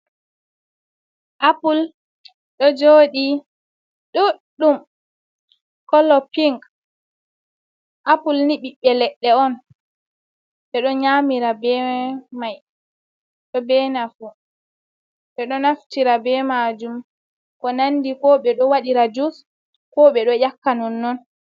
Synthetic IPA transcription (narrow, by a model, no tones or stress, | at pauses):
ʔapul | ɗɔd͡ʒoːɗi | ɗɔɗum | kɔlɔpiŋɡ | ʔapulniɓiɓɛlɛɗːɛɔn | ɓɛɗɔɲamiɾabɛmaj | ɗɔbɛnafu | ɓɛɗɔnaftiɾabɛmad͡ʒum | kɔnandikɔɓɛɗɔwaɗiɾad͡ʒus | kɔɓɛɗɔjakːanɔnːɔn